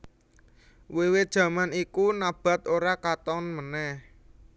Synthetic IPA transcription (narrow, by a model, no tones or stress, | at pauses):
wewed̥ʒ̥ä̤manikunab̥a̤t̪oɾakat̪ɔnmənɛh